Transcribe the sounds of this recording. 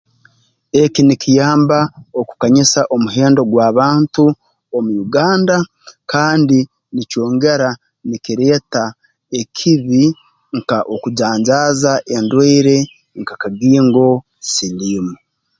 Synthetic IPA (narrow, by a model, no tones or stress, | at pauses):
e̞kinikijaːmbaoku̥kaɲisaʔo̞muɦe̞ːndo̞ɡwaːβaːntu | omujuɡaːnda | kaːndi | nico̞ːŋɡe̞ɾa | nikiɾe̞ːta | e̞kʰiβi | ŋkaʔo̞kuɟaːɲɟaːzaʔe̞ndweiɾe̞ | ŋkakaɡiːŋɡo̞ | siliːmu